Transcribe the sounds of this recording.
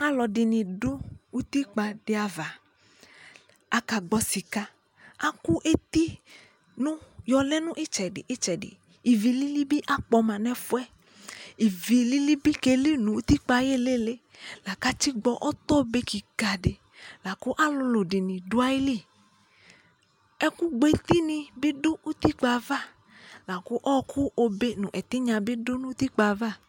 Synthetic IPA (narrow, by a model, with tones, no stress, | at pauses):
a˦lɔ˨dɪ˨nĩ˨dʊ˦u˦t̪i˦k͡pa˧ɖɪ˨a˨va˨ | a˨ka˨ɡ͡bɔ˧si˨ka˧ | a˦ku˦ʔe˦t̪i˦ | nũ˦jɔ˧lɛ˦nũ˦ʔi˦t͡ʃɛ˨ɖɪ˨ʔi˦t͡ʃɛ˨dɪ̰˨ | i˨vi˨li˦li˦bi˦ʔa˦k͡pɔ˧mã˨nɛ̃˦fu˦ɛ˦ | i˨vi˨li˦li˦bi˦ke˦li˦nũ˨u˦t̪i˦k͡pa˧je˦le˦le˦ | la˨ka˦t͡ʃi˦ɡ͡bɔ˧ʔɔ˦t̪ɔ˦˧be˧˦ki˨ɡa˨de˨ | la˨ku˦ʔa˦lʊ˧lo˨di˨nĩ˨du˦a˦ji˦li˦˨ | ɛ˦ku˦ɡ͡be˧t̪i˦nĩ˧bi˦dʊ˦u˦t̪i˦k͡pa˧va˦˨ | la˨kʊ˦ʔɔ˦kʰu˦ʔo˧be˦nũ˨ʔɛ˨t̪i˦ɲã˧bi˦dʊ˦nũ˦t̪i˦k͡pa˧va˦˨